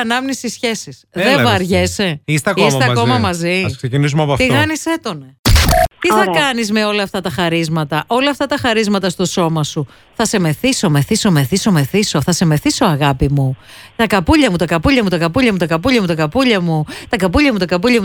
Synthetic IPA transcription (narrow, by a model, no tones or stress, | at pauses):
ɐnɐmnisisçe̞sisðevɐɾʝeseist̪eɐkosɐeɐkomɐmɐziɐksecinis̬umɐpoɐft̪iɣɐniset̪o̞nɐt̪iθɐkɐnizme̞o̞lɐːft̪ɐt̪ɐxɐɾizmɐt̪ɐʔo̞lɐːft̪ɐt̪ɐxɐɾizmɐt̪ɐst̪o̞so̞mɐsu | θɐse̞me̞θiso̞meθiso̞me̞θiso̞me̞θisoθɐse̞me̞θiso̞ɐɣɐpimu | t̪ɐkɐpuʎɐmut̪ɐkɐpuʎɐmut̪ɐkɐpuʎɐmut̪ɐkɐpuʎɐmut̪ɐkɐpuʎɐmut̪ɐkɐpuʎɐmut̪ɐkɐpuʎɐmu